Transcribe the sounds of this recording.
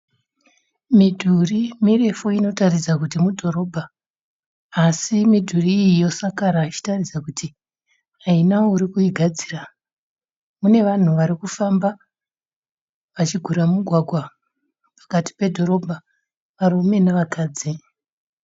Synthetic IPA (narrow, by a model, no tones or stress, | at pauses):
midʱurimire̞foino̞tarid͡zakutimudʱo̞ɾo̞ːbʱa | simidʱuriːijo̞sakaɾait͡ʃi̥tarid͡zakuti | ainauɾikuiɡʱad͡ziːra | mune̞ʋan̤uʋaɾikufamba | ʋat͡ʃiɡʱuɾamuɡʱwaɡʱwa | pḁkati̥pe̞dʱo̞ɾo̞bʱa | ʋaɾume̞naʋakaːd͡zi